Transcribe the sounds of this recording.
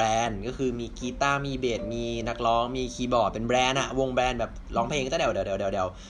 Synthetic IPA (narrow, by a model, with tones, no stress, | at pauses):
ɛː˧nkɔː˥˩kʰɯː˧miː˧kiː˧t̪aː˥˩miː˧beː˨˩t̪̚miː˧na˦˥k̚lɔː˦˥ŋmiː˧kʰiː˧bɔː˨˩t̪̚pe˧nbɾɛː˧nʔa˨˩wo˧ŋbɾɛː˧nbɛː˨˩p̚lɔː˦˥ŋpʰeː˧ŋt̪aː˥˩dɛ˨˩wdɛː˨˩dɛː˨˩dɛ˨˩dɛː˨˩w